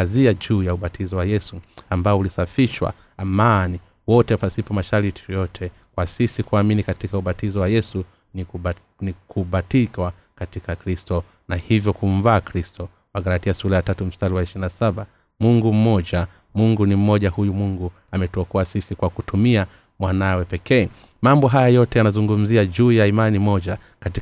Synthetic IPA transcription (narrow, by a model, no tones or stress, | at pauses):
aziad͡ʒuːjauɓatʰizɔwajɛsuambaɔulisafiʃwa̰ | amani | wɔtɛpasipɔmaʃaɾiti̥jɔjɔtʰɛ | kwasisikuaminikatikauɓatizɔwajɛsu | ni | nikʰuɓatikwa | katikakɾistɔ | nahivjɔkum̩vaːkɾistɔ | waɡaɾatiasuɾajatatum̩staliwaiʃinasaɓa | muŋɡum̩mɔʄa | muŋɡunim̩mɔʄahujumuŋɡu | amɛtuɔkɔasisikwakutumia | mwanawɛpɛkɛː | mambɔɦajajɔtɛjanazuŋɡum̩ziaʄuːjaimanimɔʄa | kati